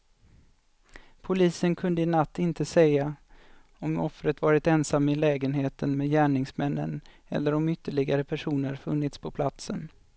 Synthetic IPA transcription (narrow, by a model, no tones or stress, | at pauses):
pʰʊliːsənkʰɵnd̪əɪnat̪ːɪnt̪əsɛjːa | ɔmɔfɾət̪vɑːɾɪt̪ɛnsamːɪlɛːɡənɦeːt̪ʰənmeːjæːɳɪŋsmɛnːə̰n | ɛ̰lːəɾɔmʏt̪ːəɭɪɡaɾəpʰæʂuːnəɾfɵnːɪt̪spʰɔpʰlat̪sən